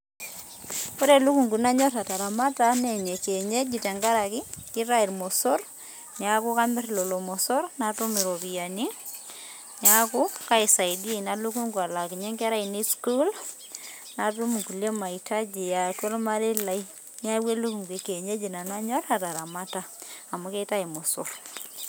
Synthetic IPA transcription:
ko˦ɾe˨lu˦ku˨ŋɡu˨na˦ɲɔ˦ta˨ta˨ɾa˨ma˦ta˦ne˨ɲe˨ke˨ɲe˦d͡ʒi˨tɛ˨ŋɡa˦ɾa˨kɪ˦kɪ˦ɾa˦i˨ɾmɔ˨so˦r | ɲa˨ku˦ka˦mɪ˦ɾlo˨lo˨mɔ˨so˦ɾna˨tu˦mi˨ɾo˨bi˨ja˨ni˦ | ɲa˦ku˦ka˦i˨sa˨idi˦na˦lu˦ku˦ŋɡwa˨la˨ki˨ɲe˦ŋkɛ˦ɾa˦i˨ni˦sku˦l | na˨tu˦mu˨ku˨le˦ma˨i˨tʰa˦d͡ʒi˨ja˨ko˦lma˦ɾe˦la˨˦i˦ | ɲ˦a˦we˦lu˦ku˨ŋɡe˨ke˨ɲe˦d͡ʒi˨na˨na˦ɲɔ˦ta˨ta˨ɾa˨ma˦taː˦˨mu˦ke˦ta˦i˨mo˨so̰˨r

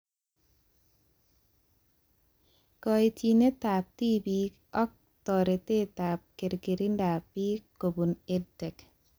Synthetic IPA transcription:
kɔi˨t͡ʃi˨ne˦ta˨p̚ti˦bi | ɔ˦k̚ | tɔɾite˦ta˨p̚ke˨ɾɡe˨ɾi˦nda˨pːi˦ko˨bu˨ne˦dɛ˨k

